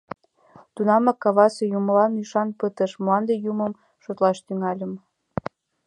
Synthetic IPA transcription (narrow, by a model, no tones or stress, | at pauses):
t̪unɑmɑkːɑβɑsejumlɑmyʃɑnpət̪ə̆ʃmlɑnd̪ejuməm | ʃot̪lɑʃt̪yŋɑlʲə̆m